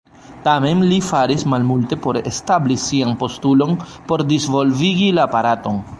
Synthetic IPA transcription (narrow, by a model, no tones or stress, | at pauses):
tame̞nlifaɾismalmulte̞po̞ɾe̞̰stablisianpo̞stulo̞n | po̞ɾdizvo̞lviɡilaːpaɾato̞n